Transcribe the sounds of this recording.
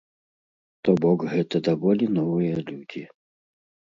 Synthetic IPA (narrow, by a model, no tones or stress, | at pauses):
t̪ɔbɔkɣɛt̪ɐd̪avɔlʲinɔvɨjɐlʲud͡zʲi